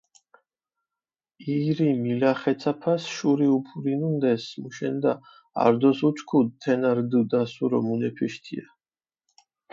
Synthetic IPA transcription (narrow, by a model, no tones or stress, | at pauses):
iɾimilaχɛt̪sʰapʰasʃuɾiupʰuɾinund̪ɛsmuʃɛnd̪a | a̰ɾd̪ɔsut͡ʃʰkʰud̪t̪ʰɛnaɾd̪ud̪asuɾɔ̰munɛpʰiʃt̪ʰḭa